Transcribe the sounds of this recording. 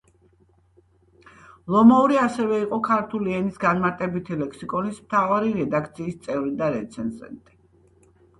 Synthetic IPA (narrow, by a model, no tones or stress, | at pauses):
lˠɔmauɾiasɛvɛiqʼɔkʰaɾt̪ʰuliɛnisɡanmaɾt̪ʼɛbit̪ʰilɛkʰsikʼɔnismt̪ʰavaɾiɾɛd̪akʰt̪sʰiːst̪sʼɛvɾid̪aɾɛt̪sʰɛnzɛ̰nt̪ʼi̥